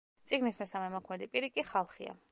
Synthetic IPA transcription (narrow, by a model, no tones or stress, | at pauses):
t̪sʼiɡnismɛsamɛmɔkʰmɛd̪ipʼiɾikʼiχalˠχia̰